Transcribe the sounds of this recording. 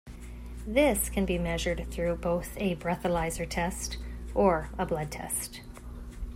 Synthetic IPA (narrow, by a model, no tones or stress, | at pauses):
ðɪskʰɨ̃nbimɛʒə˞d̪̚θɹʉboʊθɨbɹɛθəlaɪzə˞tʰɛstʔə˞əblʌd̚tʰɛ̰st